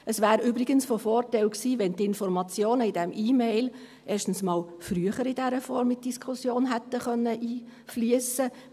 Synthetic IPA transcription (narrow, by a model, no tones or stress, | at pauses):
əsʋæːɾybɾɪɡ̥ənsfɔfɔːrtɛlksiːʋɛnt̪ɪnfɔɾmɑt͡sjoːnəidɛmʔiːmeɪl | ʔeːʃtən̩smɑːlfɾyəχəɾid̥ɛɾəfɔɾmɪt̚d̥iskʰχusjoːnɦɛt̪ːəχœnːəʔiːflyəsə